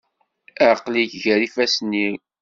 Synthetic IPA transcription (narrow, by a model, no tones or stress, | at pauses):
əʕqliçʝæɾifæsnːi